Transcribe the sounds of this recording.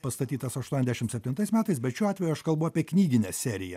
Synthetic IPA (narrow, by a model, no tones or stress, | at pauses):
pɐst̪ɐt̪ʲiːt̪ɐsɐʃt̪uɔnɛzd̪ʲæʃɪmt̪sʲɛpʲt̪ʲɪnt̪ɐɪsmʲæːt̪ɐɪsbʲɛt̪ʃʲuːɑːt̪ʲʋʲɛjuɐʃkɐlˠbʊɑːpʲiɛknʲiːɡʲɪnʲɛssʲæːɾʲɪjɛ